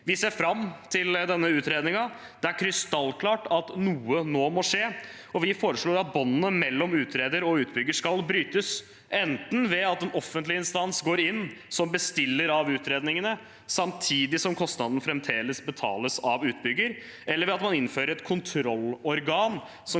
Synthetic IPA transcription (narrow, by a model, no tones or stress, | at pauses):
ʋɪseːɾfɾɑmːt̪ʰɪld̪ɛnːəʉːt̪ɾeːd̪nɪŋɑ | d̪̥ɛæɾkʰɾɪst̪ɑlːkʰlɑːʈɑt̪nuːənoːmɔʂeː | ɔʋɪfoːɾəʂɭoːɾɑt̪̚bɔnːənəmɛlːɔmʉːt̪ɾeːd̪əɾɔʉːt̪̚bʏɡːəʂkɑlbɾyːt̪əs | ɛnt̪nʋɛɑt̪ɛnʔɔfːənt̪lɪɪnst̪ɑnsɡoːɾɪnːsɔmbəst̪ɪlːəɾɑʋʉːt̪ɾeːd̪nɪŋənə | sɑmt̪ʰiːd̪ɪsɔmkʰɔst̪nɑd̪n̩fɾɛmt̪ʰeːləsbət̪ʰɑ̰ːləsɑʋʉːt̪̚bʏɡːəɾ | ʔɛlːəɾʋɛɑt̪mɑnɪnːføːɾəɾɛt̪kʰʊnt̪ʰɾɔlːɔɾɡɑːn | sɔ